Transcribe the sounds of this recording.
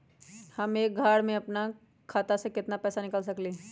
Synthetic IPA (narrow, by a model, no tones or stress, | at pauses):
hɐmeːk̚ɡʱaːɽmẽɐpna | kʰaːt̪asekɪt̪napɛːsanɪkəls̬ɐkleː